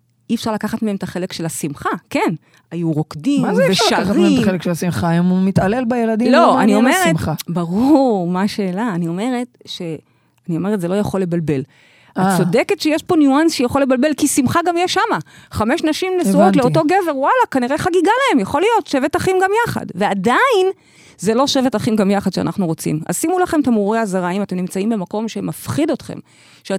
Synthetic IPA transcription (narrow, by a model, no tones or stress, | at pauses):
iefʃaʁlakaχatmeemt̪aχe̞lekʃe̞lasimχake̞n | ajuʁo̞kdimveʃaaχatʁmieetelekʃelasimχaemumitalelbajelad̪iloaniome̞ʁetmabaʁuʁmaʃe̞ːlaːnio̞me̞ʁetʃe̞ | anio̞me̞ʁet̪zelo̞jaχo̞lːe̞balbe̞l | at͡so̞de̞ke̞tʃejeʃpo̞njuansʃejaχolːe̞balbe̞lkisimχaɡamjɛʃamaχame̞ʃnaʃimnesuoleoto̞ɡeve̞ʁwalakaniʁeχaɡiɡalae̞mjaχo̞lijo̞tʃevetaχimɡamjaχa̰dve̞adain | zelo̞ʃevetaχimɡamjaχadʃea̰naχnuʁo̞t͡sḭma̰simulaχe̞mt̪amuʁeazaʁaimate̞mnimt͡saimbe̞mako̞mʃe̞mafχido̞tχḛm | ʃea